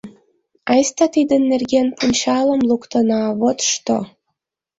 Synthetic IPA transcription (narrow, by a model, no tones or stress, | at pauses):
ɑjst̪ɑt̪id̪ɘ̆nːerɡʲenpunʲt͡ɕɑlɤ̆mlˠukt̪ɤ̆nɑβot̪ʃt̪o̰